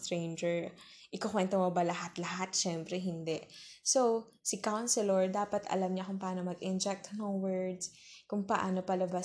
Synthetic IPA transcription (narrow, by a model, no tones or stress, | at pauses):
t̪ɾejnd͡ʒɛɹ | ʔɪkokwɛnt̪omobɐlɐɦat̪lɐɦat̪ʃɛmpɾɛɦɪnd̪ɛʔsow | sɪkawnsɛloɹd̪aːpɐt̪ʰɐ̰lɐmɲɐkʊŋpɐʔaːno̞mɐɡɪnd͡ʒɛk̚t̪noŋwɛɹd̪s | kʊŋpɐʔa̰ːno̞pɐlɐba